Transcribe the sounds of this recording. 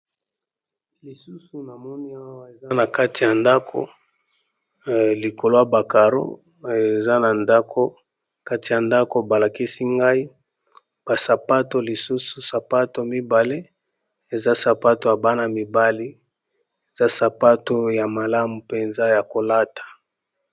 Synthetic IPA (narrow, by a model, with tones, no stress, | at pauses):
li˨su˦su˨na˨mɔ˦ni˦a˦wa˦e˨za˦na˨ka˦ti˨ja˨nda˦kʰo̰˨ | li˨ko˨lo˦ja˨ba˨ka˨ɾo̰˦e˨za˦na˨nda˦kʰo˦ | ka˦ti˨ja˨nda˦ko˨ba˨la˨ki˦si˦ŋɡa˦i˦ | b̥a˨sa˨pa˦to˨li˨su˦su˨sa˨pa˦to˨mi˦ba˨le˦ | e˨za˦sa˨pa˦to˨ja˨ba˦na˨mi˨ba˦li˦ | e˨za˦sa˨pa˦to˦ja˨ma˨la˦mu˨pe˨nza˦ja˨ko˨la˦tḁ˨